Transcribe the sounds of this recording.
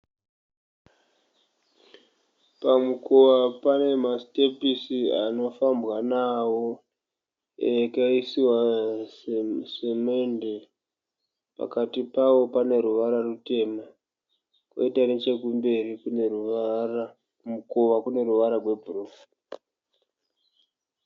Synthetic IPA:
pamukoʋapane̞mastepisia̰no̞fambwanawo̞ | ekaisiwa | semende | pa̰katipawo̞pane̞ɾuʋaɾarute̞ma | ko̰itane̞t͡ʃe̞kumbe̞rikunr | mukoʋakune̞ɾuʋaɾarwe̞bʱurok

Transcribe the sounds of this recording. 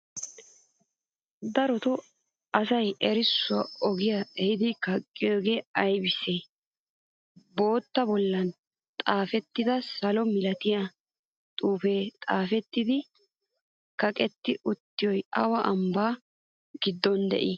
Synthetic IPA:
d̪ɐɾɔt̪ɔ | ɐsɐjʔɛɾɪsːʊwɐɔɡɪjɐɛhɪd̪ɪkɐkʼːɪjoːɡeːɐjbɪseː | bo̞ːt̪ːɐbɔlːɐn | t̪ʼaːfɛt̪ːɪd̪ɐsɐlɔmɪlɐt̪ɪjɐ | t̪ʼuːfe̞ːt̪ʼaːfɛt̪ːɪd̪ɪ | kɐkʼɛt̪ːɪʔʊt̪ːɪjɔjʔɐwɐʔɐmbaː | ɡɪd̪ːɔnd̪ɛ̰ʔɪ

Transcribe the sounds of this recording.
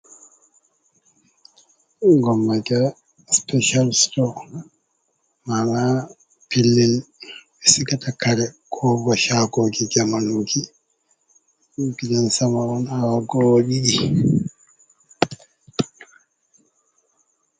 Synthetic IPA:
ɡɔmːaɡa | spɛʃalstɔ | mana | pilːin | ɛsiɡatakaɾɛkʰɔɡɔʃaɡoɡid͡ʒamanuki | ɡidɛnsamaɔnawaɡɔɗiɗi

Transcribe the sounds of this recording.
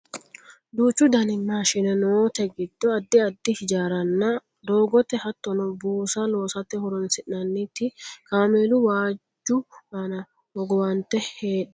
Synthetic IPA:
d̪uːt͡ʃːʊd̪ɐnɪmːaːʃɪnɛnɔwot̪ɛɡɪd̪ːɔɐd̪ːɪɐd̪ːɪhɪd͡ʒaːɾɐnːɐ | d̪o̞ːɡɔt̪ɛhɐt̪ːɔnɔbuːsɐloːsɐt̪ːɛhʊɾɔnsɪʔɐnːit̪ːɪkaːmeːlʊwaːd͡ʒːʊanɐ | ɔɡɔwɐnt̪ɛheːᶑɐ

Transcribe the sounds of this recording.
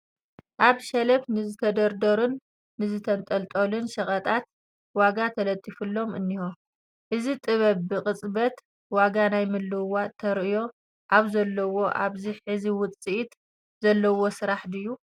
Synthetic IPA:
ʔaβʃɐlɐfnɨzɨt̪ʰɐd̪ɐɾd̪ɐɾunː | ɨzɨt̪ʰɐnt̪ʼɐlt̪ʼolunʃɐχʼɐt̪ʼat̪ | waɡat̪ʰɐlɐt̪ʼːifɨlːo̞mɨnːiho | ʔɨzit̪ʼɨβɐβbɨkʼɨt͡sʼbɐt̪ | waɡanajmɨlːɨwat̪ʰɐɾʔɨjo̞ | ʔaβzɐlːɐwo̞ʔa̰βziħɨziwʊt͡sʼiʔit̪ | zɐlːɐwo̞sɨɾaħd̪ɨjːu

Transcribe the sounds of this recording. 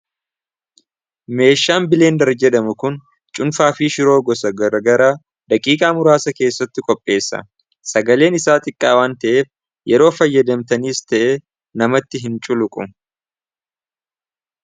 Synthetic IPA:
me̞ːʃːaːnbɪle̞ːnd̪ɐɾd͡ʒɛᶑɐmʊkʊn | t͡ʃʼʊnfaːfiːʃɪɾo̞ːɡɔsɐɡɐɾɐɡɐɾaː | d̪ɐkʼiːkʼaːmʊɾaːsɐke̞ːsːɐt̪ːɪkʼɔpʼːe̞ːsːɐ̰ | sɐɡɐle̞ːnɪsaːt̪ʼɪkʼːaːwaːnt̪ɐʔe̞ːf | jɛɾo̞ːfɐjːɐd̪ɐmt̪ɐniːst̪ɐʔeː | nɐmɐt̪ːɪɦɪnt͡ʃʼʊlʊkʼʊ̰

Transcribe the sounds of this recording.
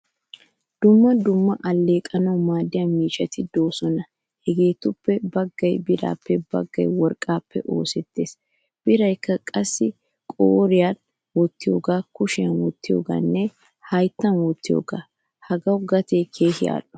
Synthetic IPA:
d̪̥ʊmːɐd̪ʊmːɐʔɐlːe̞ːkʼɐnɐwmaːd̪ːɪjamiːʃɐt̪ɪd̪o̞ːsɔnɐ | hɛɡe̞ːt̪ʊpːɛbɐɡːɐjbɪɾa̰ːpːɛbɐ̰ɡːɐ̰jwɔɾkʼːaːpːɛ̰ʔo̰ːsɛt̪ːe̞̰ːs | b̥ɪɾɐjkːɐkʼɐsːɪ | kʼoːɾɪjan | wɔt̪ːɪjo̞ːɡaːkʊʃɪjɐnwɔt̪ːɪjo̞̰ːɡa̰ːnːɛ | hɐjt̪ːɐnwɔt̪ːɪjo̰ːɡa̰ː | hɐɡɐwɡɐt̪e̞ːkʰe̞ːhɪja̰ːᶑɔ̥

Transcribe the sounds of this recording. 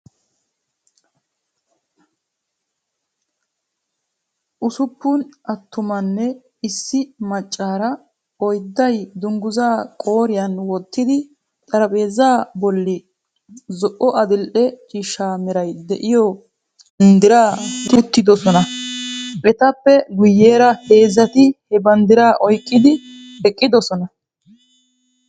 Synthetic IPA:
ʔʊsʊpːʊnʔɐt̪ːʊmɐnːɛ | ɪsːɪmɐt͡ʃʼːaːɾɐ | ɔjd̪ːɐjd̪ʊŋɡʊzaːkʼo̞ːɾɪjɐnwɔt̪ːɪd̪ɪ | t̪ʼɐɾɐpʼe̞ːzaːbɔlːɪ | zɔʔːɔʔɐd̪ɪlʔɛt͡ʃʼiːʃaːmɛɾɐjd̪ɛʔɪjɔ | nd̪ɪɾaːt̪ʊt̪ːɪd̪ɔsɔnɐ | ʔɛt̪ɐpːɛɡʊjːeːɾɐhe̞ːzɐt̪ɪhɛbɐnd̪ɪɾaːʔɔjkʼːɪd̪ɪ | hɛkʼːɪd̪ɔsɔnɐ

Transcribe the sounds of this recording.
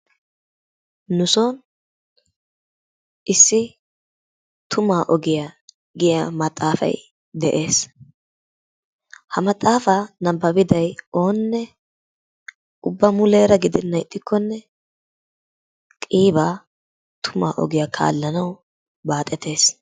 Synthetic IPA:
nʊsoːn | ʔɪsːɪ | t̪ʰʊmaːʔɔɡɪja | ɡɪjɐmɐt̪ʼːaːfɐ̰j | d̪ɛʔe̞ːs | hɐmɐt̪ʼːaːfɐnɐbːɐbɪd̪ɐjo̞ːnːɛ | ʔʊbːɐmʊle̞ːɾɐɡɪd̪ɪnːɐjɪt̪ʼːɪkʰːɔnːɛ | kʼiːbaː | t̪ʰʊma̰ːʔɔ̰ɡɪjakʰa̰ːlːɐnɐw | baːt̪ʼːɛt̪e̞ːs

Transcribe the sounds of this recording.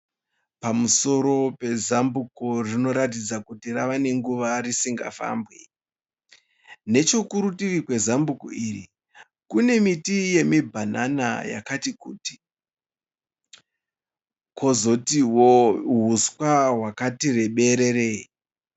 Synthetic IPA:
pamuso̞ɾo̞pe̞zambukorino̞ɾatid͡zakutiraʋane̞ŋɡuʋarisiŋɡa̰fa̰ːmbwe | ne̞t͡ʃo̞kuɾutiʋikwe̞zambuko̰iri | kune̞mitije̞mibʱanana̰ja̰katikuːti̥ | kʰo̞zo̞tiwoɦuskwaɦwakatire̞ɓe̞ɾe̞re

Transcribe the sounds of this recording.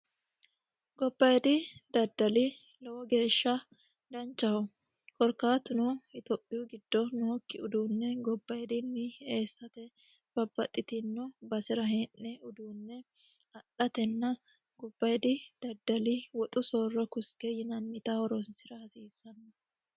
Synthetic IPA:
ɡɔbːɐjd̪ɪd̪ɐd̪ːɐlɪ | lɐwɔɡe̞ːʃːɐ | d̪ɐnt͡ʃːɐhɔ | kɔɾkaːt̪ʊnʊɪt̪ɔpʼːɪjʊɡɪd̪̥ːɔnoːkːɪʊd̪uːnːɛɡɔbːɐjd̪ɪnːɪe̞ːsːɐt̪ɛ | b̥ɐbːɐt̪ʼːɪt̪ɪnːʊbɐsɪɾɐɦeːnːɛʊd̪uːnːɛ | ɐɗɐt̪ɛnːɐ | ɡɔbːɐjd̪ɪd̪̥ɐd̪ːɐlɪwɔt̪ʼʊsoːrːɔkʊskɛjɪnɐnmɪt̪ɐɔɾɔnsɪɾɐhɐsiːsːɐnːɐ

